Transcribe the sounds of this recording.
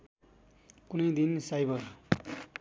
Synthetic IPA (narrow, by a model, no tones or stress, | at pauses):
kunʌjd̪insajbʌr